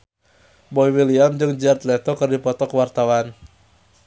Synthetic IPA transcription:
bɔiwiliamd͡ʒɨŋd͡ʒart̪lɛt̪ɔkɨrdipɔt̪ɔkəwart̪awan

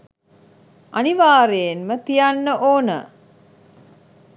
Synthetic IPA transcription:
aniʋaːɾejenmət̪ijanːəʔoːnə̰

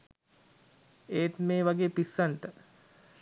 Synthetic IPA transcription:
eːt̪meːʋaɡeːpisːaɳʈə

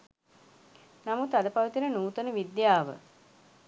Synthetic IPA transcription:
namut̪ad̪əpaʋit̪inənuːt̪unəʋid̪jaːʋə̰

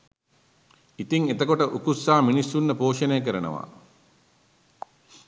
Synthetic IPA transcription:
it̪iŋet̪əkoʈəʔukusːaːminisːunːəpoːʂənejək̬əɾənə̰ʋa̰ː

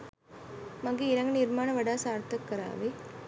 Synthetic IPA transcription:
mɐŋɡeːɾɐŋɡɐniɾmaːnɐʋɐɖaːsaːɾt̪ɐkːɐɾa̰ːʋe

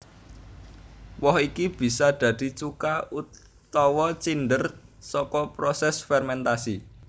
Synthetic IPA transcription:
wɔɦikib̥i̤sad̪̥ä̤d̪̥i̤t͡ʃukau | t̪ɔwɔt͡ʃinɖ̪ərsɔkɔpɾɔsɛsfɛrmɛnt̪asi

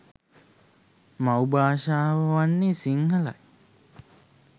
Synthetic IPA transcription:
mawbaːʃaːʋəʋanːisiŋɦɐlɐ̰j

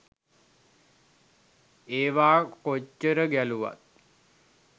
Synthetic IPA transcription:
eːʋaːkot͡ʃːəɾəɡæluʋa̰t̪̚

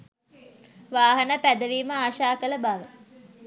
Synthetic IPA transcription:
ʋaːɦɐnəpæd̪əʋiːməaːʃaːkələbaʋə

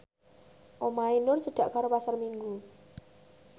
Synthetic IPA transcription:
ʔomainʊrsəɖ̪̥a̤ʔkaɾopasarmiŋɡu

